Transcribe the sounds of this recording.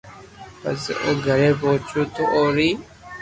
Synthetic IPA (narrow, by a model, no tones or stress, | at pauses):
pə̰so̰ːɡʱəɾeːpoːt͡ʃʰuːt̪oʔoːɾiː